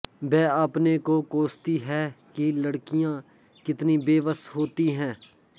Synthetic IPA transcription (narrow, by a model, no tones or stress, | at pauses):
bɛːaːpnekokoːst̪iɦɛːkiləɽkijã | kɪt̪nibeːʋəsɦoːt̪iɦɛ̃ː